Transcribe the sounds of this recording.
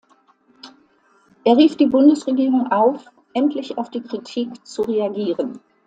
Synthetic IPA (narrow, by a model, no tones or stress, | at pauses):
ʔeːɐʁiːfd̥iːbʊndəsʁeɡiːʁʊŋʔaʊf | ʔɛntʰlɪçaʊfd̥iːkʁ̥itʰiːkt͡suʁeaɡiːʁən